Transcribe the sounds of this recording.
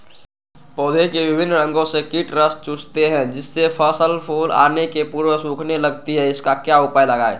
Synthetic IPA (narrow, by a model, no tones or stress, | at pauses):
pɔːd̪ʱekeʋɪbʱɪnːɾə̃ŋɡõsekiʈɾəst͡ʃuːst̪eɦɛ̃d͡ʒɪsːepʰəsəlpʰoːla̰ːnekepuːɾwəsũːkʰneləɡt̪iɦɛɪskakjaʊpajləɡaːḛ